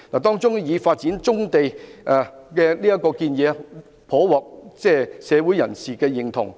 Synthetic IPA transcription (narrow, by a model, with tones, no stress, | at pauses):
laː˨˩t̪ɔː˥ŋt͡sʊ˥ŋjiː˨˧faː˧t̚t͡siː˨˥nt͡sʊ˥ŋt̪e˨jʔɛ˨˧kɛː˧liː˥jɐ˥kːɔː˧kiː˧njɛː˨˧ | pʰɔː˨˥wɔː˨k̚t͡sɛː˥˧sɛː˨˧wuː˨˥jɐ˨˩nsiː˨kɛː˧jɪ˨˩ŋt̪ʰʊ̰˨˩ŋ